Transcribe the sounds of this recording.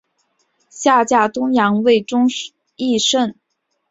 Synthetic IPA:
ɕja˥˧t͡ɕja˥˩t̪ʊ˥ŋjɑ˧˥ŋwe˥˩ɪʈ͡ʂʊ˥ŋ | i˥˧ʂə˥˩n

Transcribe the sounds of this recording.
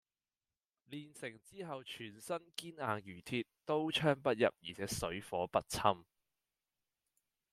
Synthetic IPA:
liː˨nsɪ˨˩ŋt͡siː˥ɦɐ˨wt͡ʃʰyː˨˩nsɐ˥nkiː˥naː˨˧ŋjyː˨˩t̪ʰiː˧tt̪o˥wt͡ʃʰœː˥ŋpɐ˥t̚jɐ̰˨p̚jḭː˨˩t͡sʰɛː˨˥sɵ˨˥ɥfɔː˨˥pɐ˥t̚t͡sʰɐ˥m

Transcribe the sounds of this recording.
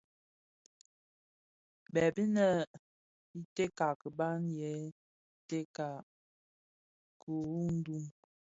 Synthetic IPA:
bɛ˨bi˦nə˦˨ | i˦te˦ka˨kə˨ba˦njɛ˨˦ | te˦ka˨ | ku˨u˦n̩˦du˦m

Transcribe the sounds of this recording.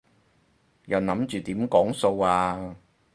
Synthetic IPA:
jɐ˨˩wnɐ˨˥mt͡ʃyː˨˩t̪iː˨˥mkɔː˨˥ŋso˧waː˧

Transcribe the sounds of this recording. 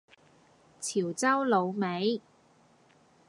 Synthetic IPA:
t͡sʰiː˨˩wt͡sɐ˥wlo˨˧wme˨˧˥j

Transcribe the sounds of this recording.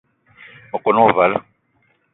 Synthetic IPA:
mɔ˨kʼʊ˨nɔ˦˨va˨la˦

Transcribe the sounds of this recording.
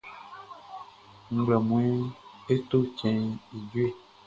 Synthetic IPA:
ŋ̩˦ɡ͡blɛ˨mũ˨e˦e˦t̪o˦t͡ʃɛ̃˨i˨d͡ʒwe˦˨

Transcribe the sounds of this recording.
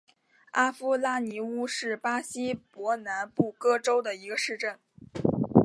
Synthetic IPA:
a˥fu˥la˥˩ni˧˥u˥ʂɻ̩˥˩pa˥ɕi˥pwɔ˧˥na˧˥npu˥˩kɤ˥ʈ͡ʂo˥ʊd̪ə˨i˧˥ɡə˧ʂɻ̩˥˧ʈ͡ʂə˥˩n

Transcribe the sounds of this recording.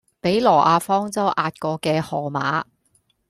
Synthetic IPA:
pe˨˥jlɔː˨˩ʔaː˧fɔː˥ŋt͡sɐ˥wʔaː˧t̚kɔː˧kɛː˧hɔː˨˩ma̰ː˨˥

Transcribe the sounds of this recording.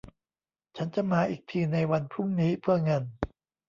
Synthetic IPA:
t͡ɕʰa˦˥nt͡ɕa˨˩maː˧ʔiː˨˩k̚t̪ʰiː˧na˧jwa˧npʰɾu˥˩mniː˦˥pʰɯ˥˩ɐŋɤ˧n

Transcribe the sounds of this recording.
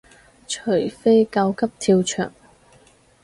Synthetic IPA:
t͡ʃʰɵ˨˩jfe˥jkɐ˧wkʰɐ˥p̚t̪ʰiː˧wt͡ʃʰœ̰ː˨˩ŋ

